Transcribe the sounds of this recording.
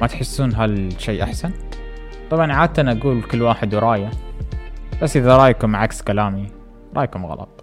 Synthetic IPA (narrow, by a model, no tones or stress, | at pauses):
mat̪ħɪsːuːnɦalʃeːʔaħsan | t̪ˤɑbʕɑnʕaːd̪̚t̪anʔaɡuːlkɪlːwaːħɪd̪wɾˤɑːja | b̥asːʔɪðaɾˤɑːjkʊmːaʕakskalaːmi | ɾˤɑ̰ːjkʊmɣɑ̰lɑ̰t̪ˤ